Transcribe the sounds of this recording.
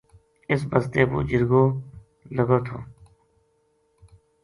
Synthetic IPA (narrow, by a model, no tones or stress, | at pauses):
ɪsbəst̪eːpṵːd͡ʒɪɾɡoː | ləɡoːt̪ʰo̰ː